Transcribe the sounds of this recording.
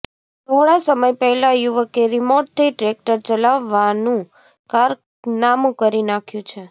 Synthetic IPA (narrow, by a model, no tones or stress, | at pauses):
t̪ʰoɽasəməjpɛɦlajuʋəkeɾimoɾʈ̚t̪ʰiʈɾek̚ʈəɾt͡ʃəlaʋːanũ | kaɾ | namũkəɾinakʰjũt͡ʃʰe